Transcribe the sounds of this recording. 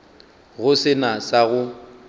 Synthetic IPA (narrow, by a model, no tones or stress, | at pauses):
ɣʊsɪnasaɣʊ